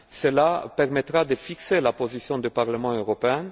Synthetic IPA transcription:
səlapɛʁmɛt̪ʁad̪əfikselapozisjɔ̃d̪ypaʁləmɑ̃øʁɔpeɛ̃

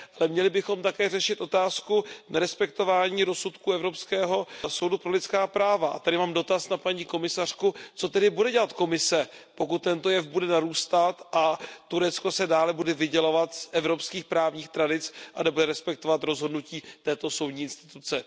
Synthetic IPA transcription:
ʔalɛmɲɛlɪbɪxo̞mt̪akɛːrɛʃɪt̪ʔo̞t̪aːskunɛɾɛspɛk̚t̪o̞vaːɲiːɾo̞sut̪kuːɛvɾo̞pskɛːɦo̞so̞wdupɾo̞lɪtt͡skaːpɾaːvaʔa̰t̪adɪmaːmdo̞t̪asnapaɲiko̞mɪsar̝̥kut͡so̞t̪ɛdɪbudɛɟɛlat̪ko̞mɪsɛ | po̞kut̪̚ːɛnt̪o̞jɛfbudɛnaɾuːst̪at̪ʔat̪uɾɛt͡sko̞sɛdaːlɛbudɛvɪɟɛlovat̪sʔɛvɾo̞pskiːxpɾaːvɲiːxt̪ɾadɪt͡sʔanɛbudɛɾɛspɛk̚t̪o̞vat̪ɾo̞zɦo̞dnuciːt̪ɛːt̪o̞so̞wdɲiːɪnst̪ɪ̥t̪ut͡sɛ

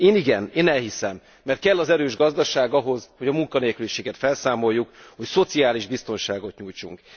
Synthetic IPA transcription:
eːniɡɛneːnɛlhisɛmːɛrt̪̚kɛlːɒzɛɾøːʒɡɒzd̪ɒʃaːɡɒɦo̞zho̞ɟɒmuŋkɒneːlkyliʃeːɡɛt̪fɛlsaːmo̞jːukho̞cso̞t̪siaːliʒbist̪o̞nʃaːɡo̞t̪ɲuːjt͡ʃṵŋk

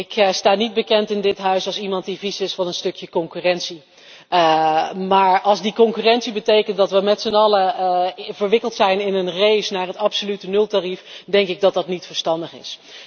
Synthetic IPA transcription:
ɪkstaːnid̚bəkɛntɪndɪtɦœɥsɑlˠsimɑntdivisɪsfɑnənstɵkjəkɔŋkyːrɛnsi | maːɹɑlˠzdikɔŋkyːrɛntsibətejkəntdɑtʋəmɛtsənɑlə | vəɹʋɪkəlˠtsɛjnɪnənrejsnaːɹɦətɑpsolytənɵlˠtarifdɛŋkɪɡ̚dɑt̚dɑtnitfəɹstɑndəχɪ̰s

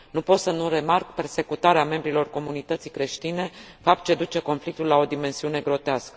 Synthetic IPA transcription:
nupo̞t̪sənuɾe̞markpe̞rse̞kut̪aɾeame̞mbɾilo̞rko̞munit̪ət̪sijkɾe̞ʃt̪ine̞ | fap̚t̪̚t͡ʃe̞d̪ut͡ʃe̞ko̞nflik̚t̪ulːao̞d̪ime̞nsiune̞ɡɾo̞t̪easkə̥

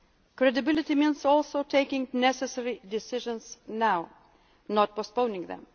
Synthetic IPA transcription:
kɹɛdɨbɪlˠɪtimĩnzɔlˠsoʊtʰeɪkɪ̃ŋnɛsɛsɛɹidɪsɪʒə̃nz̥naʊ | nɔt̚pɔspõʊ̃nɪ̃ŋðɛ̰̃m

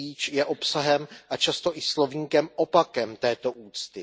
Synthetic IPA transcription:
iːt͡ʃjɛʔopsaɦɛmʔat͡ʃast̪o̞ʔɪslo̞vɲiːkɛmopakɛmt̪ɛːt̪o̞ʔuːt͡st̪ɪ

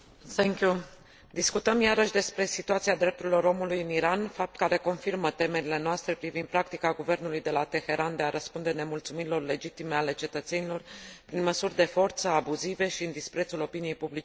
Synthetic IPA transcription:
θɛŋkʲju | d̪iskut̪əmjaɾəʃd̪e̞spɾe̞sit̪uat̪siad̪ɾe̞p̚t̪uɾilo̞ɾo̞mulujɨniɾanfap̚t̪̚kaɾe̞ko̞nfirmət̪e̞me̞ɾile̞noast̪ɾe̞pɾivind̪̚pɾak̚t̪ikaɡuve̞rnulujd̪e̞lat̪e̞xe̞ɾʔand̪e̞aɾəspund̪e̞ne̞mult̪sumiɾilo̞rle̞d͡ʒit̪ime̞ale̞t͡ʃe̞t̪ət̪se̞nilo̞rpɾinməsurʲd̪e̞fo̞rt̪səabuzive̞ʃiɨnd̪ispɾe̞t̪sulo̞pinije̞jpublit͡ʃe

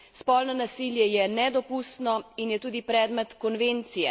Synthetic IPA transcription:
spɔlnɔnasiljɛjɛnɛd̪ɔpust̪nɔinjɛt̪uːd̪ipɾɛːd̪mɛt̪kɔnʋent̪sijɛ̰

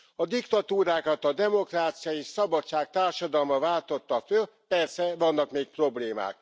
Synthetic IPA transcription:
ɒd̪ikt̪ɒt̪uːɾaːkɒt̪ɒd̪ɛmo̞kraːt̪sijɒeːʃsɒbɒtt͡ʃːaːk̚t̪aːrʃɒd̪ɒlmɒvaːlt̪o̞t̪ːɒføl | pɛrsɛvɒnːɒkmeːk̚pro̞bleːma̰ːk̚

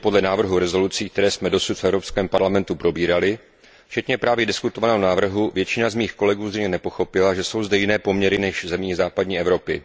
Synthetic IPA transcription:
po̞dlɛnaːvr̩ɦuɾɛzo̞lut͡siːkt̪ɛɾɛːsmɛdo̞sut̪fʔɛvɾo̞pskɛːmpaɾlamɛnt̪upɾo̞biːɾalɪ | ft͡ʃɛt̪ɲɛpɾaːvjɛdɪskut̪o̞vanɛːɦonaːvr̩ɦuvjɛt͡ʃɪnazmiːxko̞lɛɡuːzrɛjɲɛnɛpo̞xo̞pɪlaʒɛso̞wzdɛjɪnɛːpo̞mɲɛɾɪnɛʃzɛmɲiːzaːpadɲiːʔɛvɾo̞pɪ

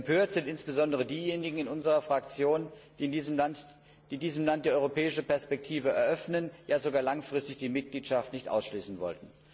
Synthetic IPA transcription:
ɛmpʰøːɐtz̥ɪntʔɪnsb̥əzɔndəʁ̞ədiːjeːnɪɡŋ̩ɪnʔʊnzəʁɐfʁ̥akt͡sjoːnd̥iːɪndiːzəmlant | d̥iːdiːzəm̩lant̚d̥iːʔɔʏʁopɛːɪʃəpɛɐspɛk̚tʰiːvəɛ̰ɐʔœfnənjaːzoɡaːɐlaŋfʁ̥ɪstɪçd̥iːmɪt̚ɡ̥liːtʃaftnɪçtʔa̰ʊsʃliːsn̩vɔ̰ltn̩

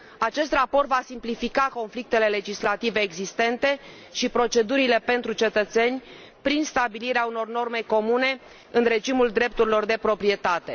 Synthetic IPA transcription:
at͡ʃe̞st̪rapo̞rt̪vasimplifikako̞nflik̚t̪e̞le̞le̞d͡ʒislat̪ive̞ːɡzist̪e̞nt̪e̞ | ʃipɾo̞t͡ʃe̞d̪uɾile̞pe̞nt̪ɾut͡ʃe̞t̪ət̪se̞nʲ | pɾinst̪abiliɾeauno̞rno̞rme̞ko̞mune̞ | ɨnɾe̞d͡ʒimuld̪ɾe̞p̚t̪uɾilo̞rd̪e̞pɾo̞pɾie̞t̪at̪e̞

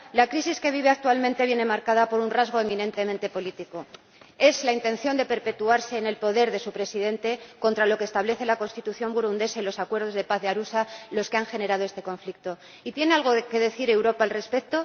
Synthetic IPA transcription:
lakɾisiske̞βiβ̞e̞ak̚t̪ualmẽ̞nt̪e̞βje̞ne̞maɾkaðapo̞ɾunrazɣ̞o̞emĩnẽ̞nt̪e̞ment̪e̞po̞lit̪iko̞ | e̞zlaint̪e̞nθjo̞nd̪e̞pe̞ɾpe̞t̪uaɾse̞ːne̞lpo̞ðe̞ɾðe̞supɾe̞siðe̞nt̪e̞ko̞nt̪ɾalo̞kest̪aβle̞θe̞lako̞nst̪it̪uθjo̞mbuɾund̪e̞sailo̞sakwe̞ɾðo̞zð̞e̞paθðeaɾusalo̞ske̞aŋxe̞ne̞ɾað̞oe̞st̪e̞ko̞ɱflik̚t̪o̞ | it̪je̞ne̞alɣ̞o̞ke̞ðe̞θiɾe̞wɾo̞paːlre̞spe̞k̚t̪o̞

